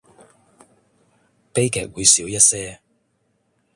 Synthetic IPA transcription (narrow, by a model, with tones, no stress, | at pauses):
pe˥jkʰɛ̰ː˨˥k̚wuː˨˧jsiː˨˥wjɐ˥t̚sɛː˥